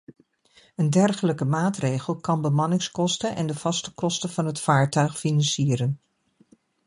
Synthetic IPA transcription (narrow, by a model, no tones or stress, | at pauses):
əndɛrχələkəmaːtrejχəlˠkɑnbəmɑnɪŋskɔstənʔɛ̰ndəv̥ɑstə̥kɔstəv̥ɑnɦətfaːɹtœɥχfinɑnsiːɾən